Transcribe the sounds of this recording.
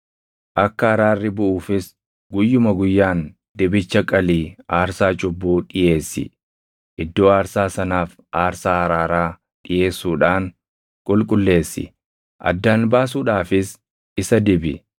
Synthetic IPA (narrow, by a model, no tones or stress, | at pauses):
ʔɐkːɐɐɾaːrːɪbʊʔuːfɪs | ɡʊjːʊmɐɡʊjːaːn | d̪ɪbɪt͡ʃːɐkʼɐliːaːɾsaːt͡ʃʼʊbːuːᶑɪje̞ːsːɪ̰ | ʔɪd̪ːo̞ːaːɾsaːsɐnaːf | ʔaːɾsaːhɐɾaːɾaː | ᶑɪje̞ːsːuːᶑaːŋ | kʼʊlkʼʊlːe̞ːsːɪ̰ | ʔɐ̰d̪ːaːnbaːs̬uːᶑaːfɪs | ɪsɐd̪ɪbɪ